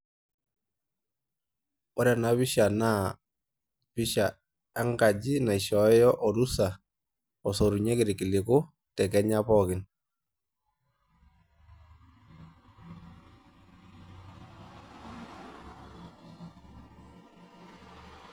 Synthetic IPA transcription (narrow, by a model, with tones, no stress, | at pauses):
ɔ˦ɾa˦˨na˨βɪ˦ʃa˨na˦˨ | pɪ˦ʃa˨ | a˦ŋɡa˨d͡ʒi˦na˨i˨ʃɔ˨˦jɔ˦ʔɔ˨ɾu˦sa˨ | ɔ˨sɔ˨ɾu˨ɲɛ˦kɪ˨ɾɪ˨kɪ˨lɪ˨kʊ˦ | tɛ˨kɛ˦ɲa˦pɔ˦kɪ˨n